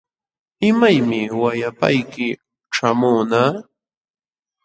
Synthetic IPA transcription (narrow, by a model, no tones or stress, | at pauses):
ɪmajmɪwajapa̰jkɪ | ʈ͡ʂamʊːnaː